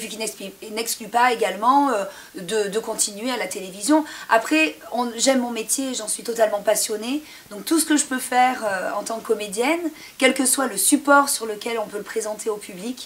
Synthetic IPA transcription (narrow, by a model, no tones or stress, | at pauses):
pɥikʲinɛnɛksklypaeɡalmɑ̃ø | d̪əd̪əkɔ̃t̪ʰinɥealat̪elevizjɔ̃a̰pχɛɔ̃ʒɛmːɔ̃met̪jeːʒɑ̃sɥit̪ɔt̪almɑ̃pasjɔne | d̪ɔ̃k̚t̪usə̥kəʒəpøfɛʁøɑ̃t̪ɑ̃kkːɔmed̪jɛn | kʲɛlkəswaləsypɔʁsyʁləkʲɛlɔ̃pøləpχezɑ̃t̪ʰeopyblik